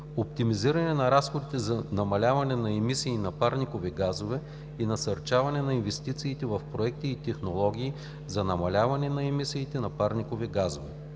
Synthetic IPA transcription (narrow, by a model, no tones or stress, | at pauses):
opt̪imiziɾɐnɛnɐɾasxod̪it̪ɛzɐnɐmɐlʲavɐnɛnɐɛmisiːnɐpaɾnikovɛɡazovɛ | inɐsɐɾt͡ʃavɐnɛnɐinvɛst̪it̪siːt̪ɛvɐfpɾoɛk̚t̪iːt̪ɛxnolˠɔɡʲiː | zɐnɐmɐlʲavɐnɛnɐɛmisiːt̪ɛnɐpaɾnikovɛɡazovɛ